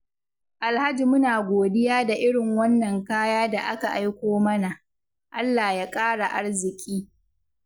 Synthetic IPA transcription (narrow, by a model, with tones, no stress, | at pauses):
ʔa˨lha˦d͡ʒi˨mʊ˦naː˨ɡʷoː˨dɪ˦jaː˦da˨ʔɪ˦ɽɪ˨ŋwɐ˦nːɐ˨ŋkaː˦jaː˦da˨ʔa˦ka˨ʔa˦jkʷoː˦mɐ˦na˨ʔ | ʔa˦lːaː˨jaː˦kʼaː˦ɽa˨ʔa˦ɽzɪ˨kʲʼiː˦